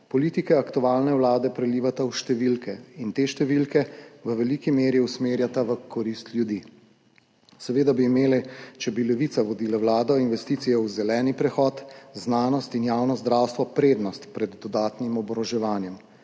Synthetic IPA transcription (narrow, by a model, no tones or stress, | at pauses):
pɔliːt̪ikɛakt̪uaːlnɛwlaːd̪ɛpɾɛliːʋat̪awʃt̪ɛʋilkɛint̪eːʃt̪ɛʋilkɛʋəʋɛlikimeːɾjiusmeːɾjat̪aʋəkʰɔɾist̪lʲjud̪i | sɛʋeːd̪abiːmeːlɛt͡ʃɛbilɛʋit̪saʋɔd̪iːlawlaːd̪ɔinʋɛst̪iːt̪sijɛwzɛlɛːnipɾɛxɔːt̪znaːnɔst̪injaːwnɔzd̪ɾawst̪ʋɔpɾeːd̪nɔst̪pɾɛd̪ːɔd̪aːt̪nimɔbɾɔʒɛʋaːnjɛm